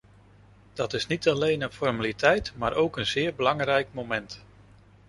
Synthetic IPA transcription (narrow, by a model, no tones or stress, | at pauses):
d̥ɑtɪsnitɑlejnənfɔɹmalitʰɛjtmaːɾʔowkənzɪːɹbəlɑŋrɛjk̚momɛnt